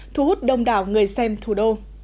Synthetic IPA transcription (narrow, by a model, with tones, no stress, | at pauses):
t̪ʰu˧˩hu˦˥t̚ɗə˧wŋ͡mɗaː˧˩wŋɨ˨˩əjsɛ˧mt̪ʰu˧˩ɗo˧